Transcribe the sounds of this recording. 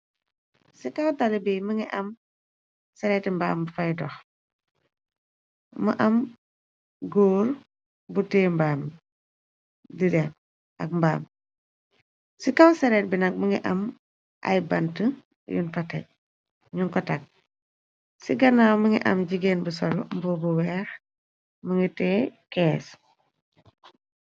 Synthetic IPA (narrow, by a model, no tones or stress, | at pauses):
sikɐwtalibiməŋiʔɐm | sɛɾɛtmba̰ːmbfɐjdɔx | mɐʔɐm | ɡoːɾ | butɛːmbaːm | didɛn | ʔɐk̚mba̰ːm | sikawsɐɾɛt̚binɐk̚mɐŋɡiʔɐ̰m | ʔɐ̰jbɐntə | jṵnfɐtɛ̰ | ɲuŋkɔtɐk̚ | siɡɐnaːməŋḭʔɐ̰mɟiɡeːnbusɔlmbɔbuwɛːx | məŋitɛːkɛːs